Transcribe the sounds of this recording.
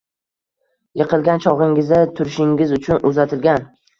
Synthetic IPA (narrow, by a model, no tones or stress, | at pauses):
jɨqɨlˠɡʲant͡ʃʰɒʁɪŋɪzd̪at̪ʰʊɾɪʃɪŋʲɪzʊt͡ʃʰʊnʊzat̪ʰɪlɡʲan